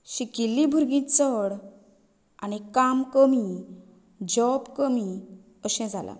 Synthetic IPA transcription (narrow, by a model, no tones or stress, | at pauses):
ɕikilːibʱuɾɡĩt͡səɽ | a̰nikamkəmi | d͡ʑɔpkəmi | əɕɛ̃d͡zʱala̰